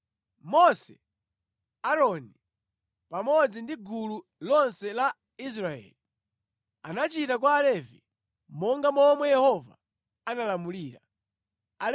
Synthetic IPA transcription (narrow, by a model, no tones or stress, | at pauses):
mɔsɛ̰ | aɾɔni | pamɔd͡zindiɡulu | lɔnsɛla | is̬ɾaɛ̰ːli | anat͡ʃitak̬waːlɛvḭ | mɔŋɡamɔmwɛjɛhɔva̰ | analamuliːɾa | a